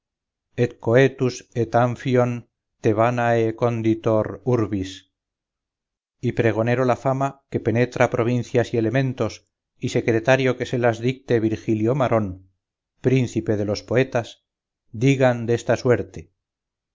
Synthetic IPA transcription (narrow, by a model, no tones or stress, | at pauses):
e̞t̪̚ko̞e̞t̪uset̪aɱfjo̞n | t̪e̞βanaeko̞nd̪it̪o̞ɾuɾβis | ipɾe̞ɣ̞o̞ne̞ɾo̞lafamake̞pe̞ne̞t̪ɾapɾo̞β̞inθjasie̞le̞mẽ̞nt̪o̞s | ise̞kɾet̪aɾjo̞ke̞se̞lazðik̚t̪eβiɾxiljo̞maɾʔo̞n | pɾin̟θipe̞ð̞e̞lo̞spo̞e̞t̪as | d̪iɣand̪est̪aswe̞ɾt̪e̞